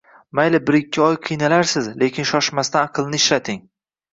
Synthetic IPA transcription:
majlɪbɪɾɪkʲʰːɪɒjqʰɨjnalaɾsɪzle̞kʲʰɪnʃɒʃmast̪anɑqʰɨlˠnɪɪʃɾat̪ʰɪŋ

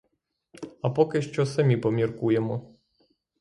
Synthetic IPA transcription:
apɔkɛʃt͡ʃɔsɐmʲipɔmʲjiɾkujɛmɔ

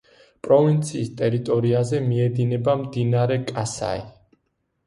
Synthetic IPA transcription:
pʼɾɔvint̪sʰiːst̪ʼɛɾit̪ʼɔɾiazɛmiɛd̪inɛbamd̪inaɾɛkʼasa̰i

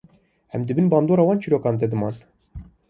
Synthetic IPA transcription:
ɛmd̪ɨbɨnbɑːnd̪oːɾɑːwɑːnt͡ʃiɾoːkɑːnd̪ɛd̪ɨmɑːn

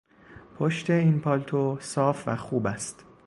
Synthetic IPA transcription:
pʰoʃt̪ʰe̞iːnpʰɒlt̪ʰosɒːfvæxuːbæst̪

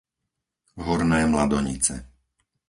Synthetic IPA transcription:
ɦɔɾnɛːmlad̪ɔɲḭt͡sɛ̰

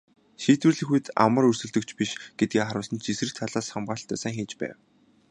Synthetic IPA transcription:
ʃiːt̪wɘ̆rɮɘ̆xujt̪a̰mə̆rɵrsɵ̆ɮt̪ɵ̆kt͡ɕʰpiʃɡ̥et̪̚ɡiːχaɾʊːsə̆nt͡ɕʰisrɘ̆k̚t̪ʰaɮaːsχamɢaːɬt̪œːsaːŋxeːt͡ɕpæ̰ːw

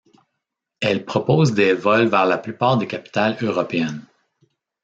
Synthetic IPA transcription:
ɛlpχɔpoːzd̪evɔlvɛːʁlaplypaːʁd̪ekʲapʲi̥t̪aløʁɔpeɛn

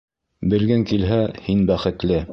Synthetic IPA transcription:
bɘ̆lɡæŋkilɦæhinbæχɘ̆t̪lɘ

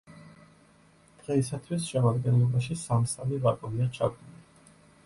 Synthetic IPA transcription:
d̪̥ʁɛisat̪ʰwisʃɛmad̪ɡɛnlɔbaʃisamsamivakʼuniat͡ʃʰa̰ɡ̪li

